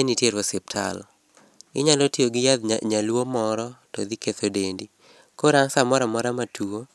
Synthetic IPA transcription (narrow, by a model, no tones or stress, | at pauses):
enitjeɾwosɪp̚tʰa̰lɔ | ɪɲalotioɡɪjad̪ɲalwomɔɾɔtɔd̪iket̪odendi | koɾansamɔɾamɔɾamatʰuo